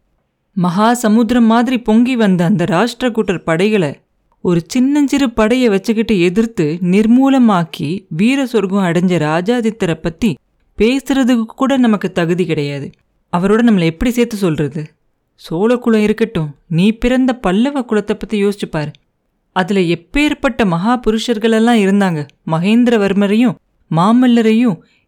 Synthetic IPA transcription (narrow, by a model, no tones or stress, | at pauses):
mɐɦaːsɐmud̪ɪɾɐmːaːðɪɾipɔŋɡiʋɐnd̪ɐːnd̪ɐɾaːʂʈɾɐkːuːʈːɐɾpɐɽɐɪɣɐɭɐ | ɔɾɯt͡ʃɪnːɐɲd͡ʒɪɾɯpɐɽɐjɐʋɐt͡ʃːɯkːɪʈːɯɛðɪɾt̪ɯnɪɾmuːlɐmaːkiʋiːɾɐsɔɾɡɯ̃ɐɽɐɲd͡ʒɐɾaːd͡ʒaːðɪt̪ːɐɾɐpːɐt̪ːi | peːsɯɾɐðɯkːkːuːɽɐnɐmɐkːɯt̪ɐɣɯðikɪɽɐjaːðɯ | ɐʋɐɾoːɽɐnɐmːɐlɐɛpːɐɽiseːɾt̪ːɯsɔlrɐðɯ | soːlɐkːʊɭɐ̃ɪɾɯkːɐʈːʊ̃niːpɪɾɐnd̪ɐpɐlːɐʋɐkːʊɭɐt̪ːɐpːɐt̪ːijoːsɪt͡ʃːɯpːaːɾɯ | ɐðɪlɐɛpːeːɾpɐʈːɐmɐɦaːpʊɾɯʂɐɾɣɐɭɛlːãːɪɾɯnd̪aːŋɡɐ | mɐɣeːnd̪ɪɾɐʋɐɾmɐɾɐjʊ̃ | maːmɪlːɐɾɐjʊ̃